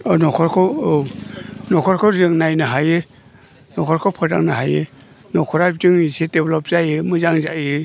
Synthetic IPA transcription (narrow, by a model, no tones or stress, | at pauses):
ɔnɔkʰɔɾkʰɔo | nɔkʰɔɾkʰɔzɯŋnajnɯɦajɯ | nɔkʰɔɾkʰɔpʰɯɾda̰ŋnaɦajɯ | nɔkʰɔɾazɯŋisideblɔp̚z̥ajɯmɯzaŋza̰jɯ